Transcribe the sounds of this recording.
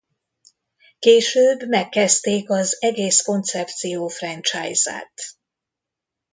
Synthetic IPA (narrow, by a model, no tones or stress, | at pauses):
keːʃøːbmɛkːɛst̪eːkɒzɛɡeːsko̞nt̪sɛpt̪sijoːfrɛnt͡ʃa̰ːjza̰ːt̪